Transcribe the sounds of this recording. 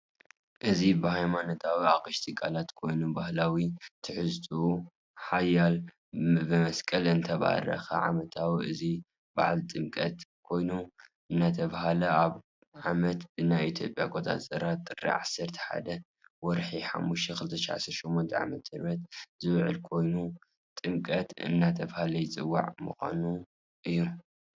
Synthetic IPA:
ʔɨzibɨhajmanot̪ʰawiakʼɨʃt̪ʼɨkʼːalat̪kʰo̞jnubahlawit̪ʰɨħɨzt̪ʼu | ħajal | bɨmɐskʼɐlɨnt̪ʰɐβa̰hɾɐ̰xɐ̰ʕa̰mɐt̪ʰawiʔɨ̰zi | ba̰ʕlt̪ʼɨmkʼɐt̪kʰo̞jnuʔɨnːat̪ʰɐβahalɐaβ | ʕamɐt̪ɨnːait̪ʰjo̞̰pʼja̰ɡot̪ʰʼa̰zɐɾat̪ʼːɨrḭʕasːɐɾt̪ʰɐ̥ħa̰d̪ɐ | wɔɾħiħa̰mːuʃt̪ʰɐkɨlɨt̪ʰɐʃʕa̰sɐɾʃomːont̪ʰɐʕa̰mɐt̪hɨɾbɐt̪̚zɨβʕɨ̰lkʰo̞jnu | t̪ʼɨmkʼɐt̪ɨ̰nːat̪ʰɐβhalɐjɪt͡sʼɨwːa̰ʕmɨxa̰nu | ʔɨjːu

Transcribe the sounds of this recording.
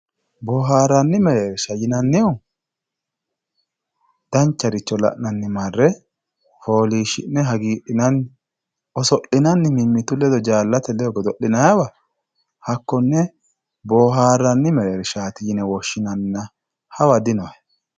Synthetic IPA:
boːɦaːɾːɐnːɪmɛɾeːɾʃɐjɪnɐnːɪʊ | d̪̥ɐnt͡ʃːɐɾɪt͡ʃːɔlɐ̰ʔnɐnːɪmarːɛ | ho̞ːliːʃɪnːɛɦɐɡiːɗɪnɐnːɪ | ɔsɔʔɪnɐnːɪmɪmːɪt̪ʊlɛd̪ɔd͡ʒaːlːɐt̪ɛlɛɔɡɔd̪ɔʔɪnɐjɐwɐ | hɐkːɔnːɛ | boːɦaːrːɐnːɪmɛɾeːɾɪʃaːt̪ɪjɪnɛwɔʃːɪnɐnːɐ | hɐwɐd̪ɪnɔwɐj

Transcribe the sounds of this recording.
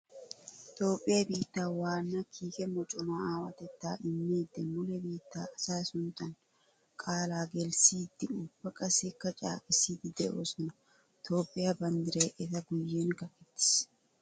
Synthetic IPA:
t̪o̞ːpʼːɪjɐbiːt̪ːaːwaːnːakʰiːkʼɛmɔt͡ʃʼʊmaaːwɐt̪ɛt̪ːaːʔɪnːeːd̪ɛmʊlɛbiːt̪ːaːʔɐsaːsʊnt̪ɐn | kʼaːlaːɡɛlsiːd̪ːɪʊbɐkʼɐsɪkːɐt͡ʃʼa̰ːkʼɪsiːt̪ɪd̪ɛʔosɔnɐ | t̪ʰo̞ːpʼːɪjɐbɐnd̪ɪɾeːʔɛt̪ɐɡʊjːeːnkɐkɛt̪ːɪ̥s

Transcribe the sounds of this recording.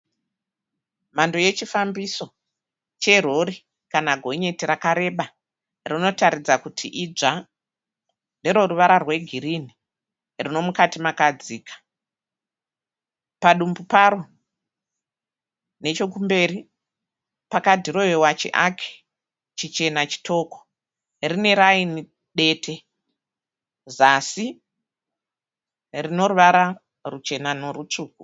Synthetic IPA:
mandoje̞t͡ʃifambiso̞ | t͡ʃe̞r̤o̞ɾi | kanaɡʱo̞ɲe̞tirakaɾe̞ɓa | rino̞taɾid͡zakutʰiʔid͡ʒa | nde̞ɾo̞ruʋaɾarwe̞ɡʱiɾini | rino̞mukatimakad͡ziːkʰḁ | paɗumbupaɾo | ne̞t͡ʃo̞kumbe̞ːɾi | pakatiro̞jewat͡ʃḛʔakʰe̥ | t͡ʃit͡ʃe̞nat͡ʃi̥tʰo̞ːko̥ | rine̞ɾaini | ɗe̞ːtʰe̞ | zasi | rino̞ɾuʋaɾa | rut͡ʃe̞nanorut͡ʂuːku

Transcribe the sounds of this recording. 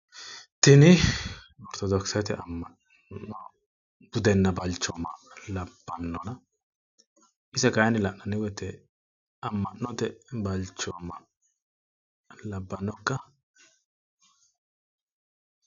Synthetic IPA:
t̪ɪnɪ | ɔɾt̪ɔd̪ɔksɐt̪ɛʔɐmːɐ | nːɔ | b̥ʊd̪ɛnːɐbɐlt͡ʃːɔmɐlɐb̥ːɐnːɔnɐ | ʔɪsɐkajɐnɪlɐʔnɐnɪwɛt̪ːɛ | ɐmːɐʔnːɔt̪ɛbɐlt͡ʃːɔmːɐ | lɐbːɐnːɔkːɐ

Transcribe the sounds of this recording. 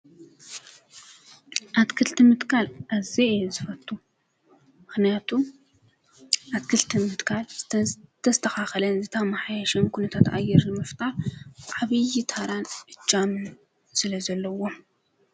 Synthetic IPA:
ʔat̪kʰɨlt̪ʰɨmɨt̪kʰalʔazizɨfɐt̪ʼːu | mɨxnijat̪ʰu | ʔat̪kʰɨlt̪ʰɨmɨt̪kʰalt̪ʰɐst̪ʰɐxaxɐlɐnzɨt̪ʰamaħajaʃɛnkʰunɐt̪ʰat̪a̰jːɛɾnɨmɨft̪ʼaɾʕaβɨjit̪ʰaɾanʔɨt͡ʃʼːamɨn | sɨlɐzɐlːɐwo̞m

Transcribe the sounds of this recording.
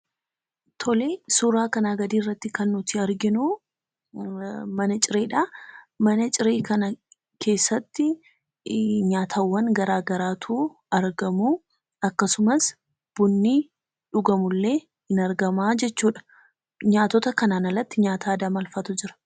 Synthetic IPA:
t̪ʰɔleːsuɾaːkɐnaːɡɐd̪iːrːɐt̪ːɪkɐnːʊt̪ɪɐɾɡɪnu | mɐnɐt͡ʃʼɪɾe̞ːᶑaːmɐnɐt͡ʃʼɪɾeːkɐnɐ | kʰe̞ːsːɐt̪ːɪ | ɲaːt̪ʰawːɐŋɡɐɾaːɡɐɾaːt̪ʰuː | ɐɾɡɐmuː | ɐkːɐsʊmɐs | b̥ʊnːi | ᶑʊɡɐmʊlːe̞ː | ɪnɐɾɡɐmaːd͡ʒɛt͡ʃːuːᶑɐ̥ | ɲaːt̪ɔt̪ɐkɐnaːnɐlːɐt̪ːɪɲaːt̪ʰaːd̪ɐmɐlfɐt̪ʊd͡ʒɪɾɐ̥

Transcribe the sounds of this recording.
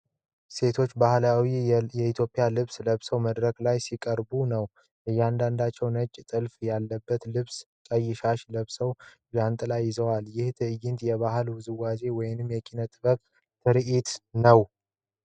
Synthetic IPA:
se̞t̪ʰo̞t͡ʃːbahlawijɛit̪ʰjo̞pʼːɪjalɨβsləβsəwməd̪ɾəkʼlajsikʼəɾbunəw | ʔɨjːɛand̪and̪at͡ʃːɛwnət͡ʃʼːt̪ʼɨlfjalːəbːət̪lɨβs | t͡ʃʼəjːɪʃaʃləβsəw | ɡant̪ʼlajːɪzəwaljɪht̪ʰɨɨjɪnt̪jɛβahɨlwʊzɨwaze̞wɔjɪnɨmːjɛkʼinət̪ʼɨβəkʼ | t̪ʰɨɾʔit̪nəw

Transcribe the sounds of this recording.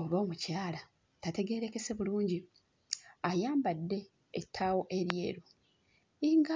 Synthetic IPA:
oβoːmucaːla | tate̞ɡe̞ːɾe̞kese̞βuluːɲɟi | ajaːmbadːe̞ː | tʰːaːwo̞ʔe̞ɾje̞̰ːɾu | iŋɡa

